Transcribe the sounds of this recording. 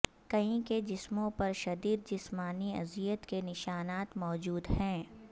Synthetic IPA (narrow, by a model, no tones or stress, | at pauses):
kɐɦĩked͡ʒɪsmõpɐɾʃɐd̪iːd̪̚d͡ʒɪsmaːniɐ̰zijət̪kenɪʃaːnaːt̪mɔːd͡ʒuːd̪ɦɛ̃ː